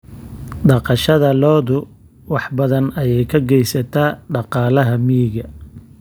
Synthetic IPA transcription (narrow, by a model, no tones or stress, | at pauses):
ɖɑqɑʃɐðɐlɔːðʊ | wɑħbɐðɐnɐjɛjkʰɐɡɛjsɐt̪ʰaːɖɑqɑːlɐɦɐmiɣɐ